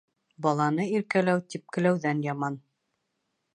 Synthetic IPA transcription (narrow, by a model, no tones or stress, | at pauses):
bɑlˠɑnɤiɾkælæwt̪ip̚kɘ̆læwðænjɑmɑn